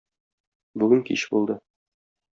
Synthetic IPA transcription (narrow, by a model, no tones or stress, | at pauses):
bʉɡɘŋkḭɕbṵlˠd̪ɤ